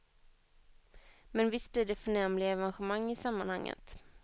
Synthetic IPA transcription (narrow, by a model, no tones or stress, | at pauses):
mɛnvɪst̪̚bliːɖɛfœɳɛmlɪaɛvanɧəmaŋːɪsamːanhaŋːə̰t̪